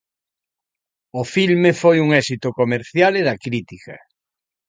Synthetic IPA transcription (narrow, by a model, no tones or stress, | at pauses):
ofilmefojuŋɛsit̪okomeɾθjaleðakɾit̪ika